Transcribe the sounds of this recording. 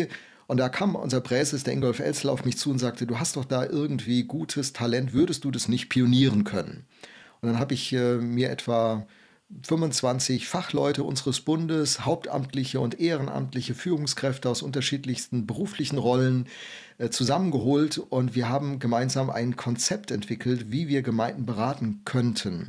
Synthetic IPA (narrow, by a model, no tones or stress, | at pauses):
ʔʊntd̥akʰaːməmʔʊ̰nzɐpʁ̥ɛːzɪsd̥eːɐʔɪŋɡɔlfʔɛ̰lt͡sl̩a̰ʊfmɪçt͡suːʊntz̥aːk̚təduːɦastd̥ɔχd̥aːʔɪɐɡŋ̩tv̥iːɡuːtʰəstʰalɛntv̥ʏɐdəst̚d̥uːdasnɪçt̚pʰioniːʁənkʰœnə̰nʔʊnd̥anɦaːbəɪçɛːmiːɐʔɛ̰tv̥a | fʏmvʊnt͡sv̥ant͡sɪçfaχlɔʏtəʔʊ̰nzəʁəsb̥ʊndəshaʊp̚tʔa̰mtlɪçəʊntʔeːʁənʔa̰mtlɪçəfyːʁʊŋskʁ̥ɛftəaʊsʔʊntɐʃiːtlɪçstn̩bəʁuːflɪçn̩ʁɔlən | t͡suzamənɡəɦoːltʔʊntv̥iːɐɦaːbm̩ɡəmaɪnzaːmʔa̰ɪnkʰɔnt͡sɛp̚tɛntv̥ɪkʰl̩tv̥iːviːɐɡəmaɪnn̩bəʁaːtn̩kʰœntʰən